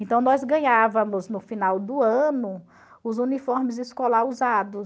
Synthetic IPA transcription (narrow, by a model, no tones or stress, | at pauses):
ẽnt̪ɐ̃w̃nɔzɡɐ̃ɲavɐ̃mʊznʊfinawd̪ʊɐ̃nʊ | ʊzunifɔɾmɪzɪskɔlaɾuzad̪ʊs